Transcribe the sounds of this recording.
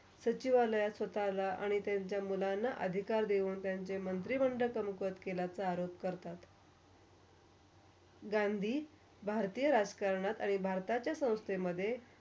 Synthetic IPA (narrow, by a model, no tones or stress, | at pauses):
sət͡ɕiʋaləjasʋət̪alaʔa̰ɽ̃it̪jaɲt͡ɕjamulanːaʔə̰d̪ʱikaɾd̪euːnt̪jaɲt͡semənt̪̬ɾiməɳɖəkəmkʋət̪kelat͡saːɾopkəɾt̪at̪ | ɡand̪ʱiː | bʱaɾt̪iːjəɾad͡zkaɾɳat̪aɽ̃ibʱaɾt̪at͡ɕjasə̃w̃st̪ʰemːəd̪ʱːje